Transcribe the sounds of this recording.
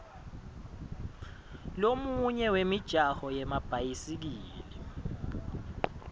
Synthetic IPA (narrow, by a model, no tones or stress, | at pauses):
lomuɲɛwemid̥ʒ̥ʱahɔjɛmab̥ʱajisik̬iːlɛ